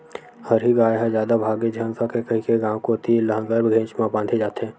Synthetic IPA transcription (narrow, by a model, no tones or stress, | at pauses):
həɾɦiɡaːeɦɛzjaːd̪abʱaːɡẽd͡ʒʱɐnkʰakekəɦikeɡãːwkoːt̪ilɐɦãɡəɾbɡʱẽːt͡ʃmãbãːnɖ̪ʰʱed͡ʒaːt̪eɦɛ̃ː